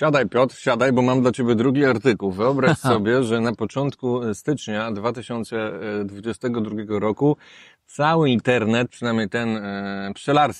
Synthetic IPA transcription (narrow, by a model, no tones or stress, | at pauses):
ɕad̪ajpʲjɔt̪ɾɕad̪ajbɔmamd̪lat͡ɕebʲjɛd̪ɾuɡʲiaɾt̪ɘkuwvɘɔbɾaɕsɔbʲjɛʐɛnapɔt͡ʂɔnt̪kust̪ɘt͡ʂɲad̪vat̪ɘɕɔnt̪sɛd̪vud͡ʑɛst̪ɛɡɔd̪ɾuɡʲjɛɡɔɾɔku | t̪sawɘint̪ɛɾnɛt̪̚pʂɨnamʲɲejt̪ɛnpʂɛlaɾs